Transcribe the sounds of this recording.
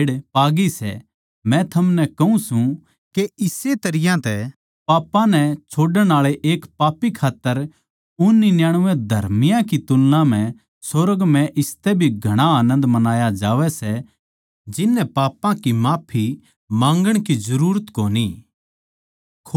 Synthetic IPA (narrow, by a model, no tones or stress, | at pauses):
ɽpaːɡisɛ̰ | mɛ̃t̪ʰɐmnɛkɐũsũ | keɪset̪ɐɾɪjãt̪ɛ | paːpãnɛt͡ʃʰoːɖəɽ̃aːɭeʔeːkpaːpikʰaːt̪ːəɾ | ʊnːinjaːɽ̃ʊʋɛ̃d̪ʱɐɾmɪjãkit̪ʊlnãm̤ɛ̃ | soɾəɡmɛ̃ʔɪst̪ɛbʱiɡʱɐɽ̃aaːnə̃nd̪mɐnaːjad͡ʒaːʋɛsɛ | d͡ʒɪnːɛpaːpãkimaːpʰi | mãːŋɡəɽ̃kizɐɾuːɾət̪koːni | kʰ